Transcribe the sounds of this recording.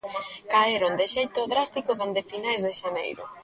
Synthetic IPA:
kaeɾond̪ɪʃejt̪oðɾast̪ikoðend̪ɪfinajzðɪʃanḛjɾʊ̰

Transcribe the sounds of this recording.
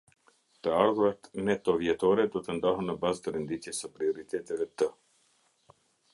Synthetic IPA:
t̪əalɡoɾat̪net̪ovjet̪oɾed̪ot̪ənd̪aɦənəbazd̪əɾend̪it̪siesəpɾioɾit̪et̪elet̪ə

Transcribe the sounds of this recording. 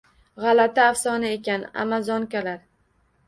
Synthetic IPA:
ʁɑlat̪aːfsɒnaekʲana̰mazɒŋkʲalaɾ

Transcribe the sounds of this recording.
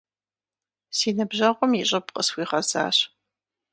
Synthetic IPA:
siːnɨbʒɐʁʷɔmjiɕʼɐpqʼəswiːʁɐza̰ːɕ

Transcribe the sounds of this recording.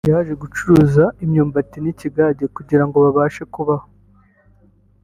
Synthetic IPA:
jaʒe̞ɡut͡ʃuɾuːzaimɲoːmbatiniciɡaɟekuɟiɾaŋɡo̞βaβaːʃe̞kuβaho

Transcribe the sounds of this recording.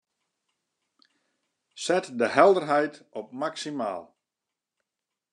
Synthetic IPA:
sɛtdəɦɛlˠdərɦɛjtɔp̚maksima̰ːlˠ

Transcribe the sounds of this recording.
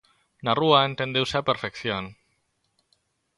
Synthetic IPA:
naruaent̪end̪ewsapeɾfekθjon

